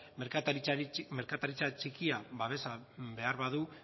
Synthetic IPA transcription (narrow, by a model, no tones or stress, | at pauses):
eɾkat̪me̞ɾkat̪aɾit͡sat͡ʃikiaβaβe̞sabe̞aɾβaðu